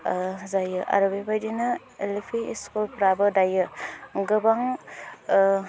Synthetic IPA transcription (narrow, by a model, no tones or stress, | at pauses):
zajɯʔa̰ɾɯbebajdinɯ | elipʰiiskulpɾabɯdajɯɡɯbaŋ